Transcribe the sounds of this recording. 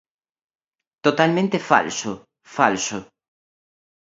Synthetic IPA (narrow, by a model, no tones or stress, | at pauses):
t̪ot̪almẽnt̪efa̰lso | fa̰lso